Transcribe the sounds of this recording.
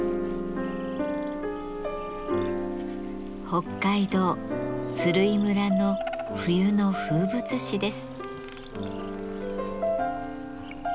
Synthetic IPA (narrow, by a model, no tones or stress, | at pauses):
ho̞kːaid̪o̞ːt͡sɨɾɯ̟imɯ̟ɾano̞ɸɯ̟jɯ̟no̞ɸɯ̟ːbɯ̟t͡sɨɕid̪e̞sɨ̥